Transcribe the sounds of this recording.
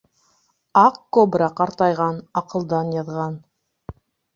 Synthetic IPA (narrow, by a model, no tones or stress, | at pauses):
ɑqkobrɑqɑɾt̪ɑjʁɑnɑqɤ̆lˠd̪ɑnjɑðʁɑn